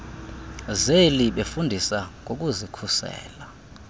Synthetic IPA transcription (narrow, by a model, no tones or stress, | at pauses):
zeliɓefundʱisaŋʱok̬uzikʰusɛ̰ːla